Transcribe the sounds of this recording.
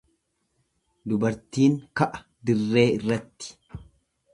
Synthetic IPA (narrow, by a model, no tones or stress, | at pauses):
d̪ʊbɐɾt̪iːŋkɐʔɐ̥ | d̪ɪrːe̞ːɪrːɐt̪ːɪ̥